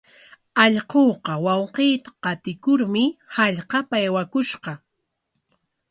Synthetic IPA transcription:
ɑʎqoːqɑwɑwqeːt̪ḁqɑt̪ɪkʊɾmɪhaʎqɑpajwakʊʃqɑ

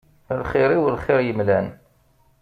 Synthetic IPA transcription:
lχɪɾiwəlχɪɾjəmlæn

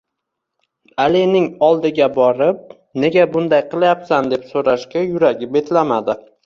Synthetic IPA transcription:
alɪnɪŋɒlˠd̪ɪɡʲabɒɾɪp̚ | ne̞ɡʲabʊnd̪ajqɨlˠajapsand̪e̞psoɾaʃkʲajʊɾaɡʲɪp̚be̞t̪lamad̪ɪ

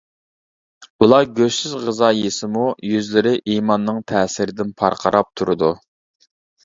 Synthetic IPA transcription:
ulˠɑɡʲøʃsyzʁəzɑjesɪmujyzlɪɾɪʔiːmɑnːɨŋt̪ʰɛːsɪɾɪd̪ɪnpʰɑ̰ɾqʰɑɾɑp̚t̪ʰuɾʊd̪u

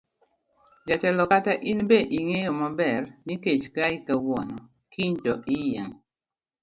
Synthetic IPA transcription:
d͡ʒatɛlɔkataʔinbeʔiŋejɔmabɛɾniket͡ʃkaikawɔnɔ | kiɲtɔʔijaŋ

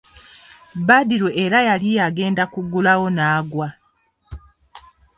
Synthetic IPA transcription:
badiɾoʔeɾajalijaɡe̞ːndakuɡulawo̞naːɡwa

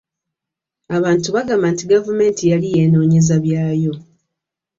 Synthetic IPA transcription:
aβaːntuβaɡamantiɡavume̞ːntijalijeːnoːɲezaβjaːjo̞

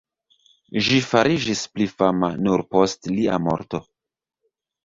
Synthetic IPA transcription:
ʒifaɾʔid͡ʒisplifama̰nuɾpo̞stlia̰mo̞̰ɾto̞

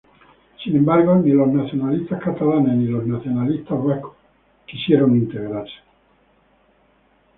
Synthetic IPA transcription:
sinembaɾɡoniloznaθjonalist̪ahkat̪alanesniloznaθjonalist̪azeko̥ | kisjeɾoŋint̪eɣɾaɾse̥

